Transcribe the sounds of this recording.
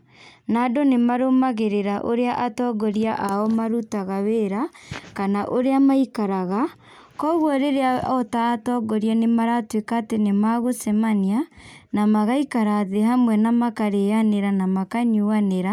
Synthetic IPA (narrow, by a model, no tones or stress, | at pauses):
nadonemaɾomaɣeɾeɾaʔoɾeaʔatɔɡɔɾiaʔaɔmaɾutaɣaweɾakanaʔoɾeamaikaɾaɣa | kɔɣwɔɾeɾeaɔtaːtɔɡɔɾianemaɾatwekaːtenemaɣosɛmanianamaɣaikaɾaðeɦamwɛnamakaɾejaneɾanamakaɲuaneɾa